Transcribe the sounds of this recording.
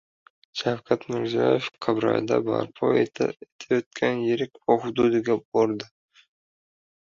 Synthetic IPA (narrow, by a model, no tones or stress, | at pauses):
ʃawkʲʰat̪mɪɾzijɒ̰jefqʰɨbɾa̰jd̪a̰ba̰ɾpʰɒet̪ʰa̰et̪ʰajot̪̚kʲʰanjɪɾɪkʲvɒhʊd̪ud̪ɪɡʲabɒɾd̪ɪ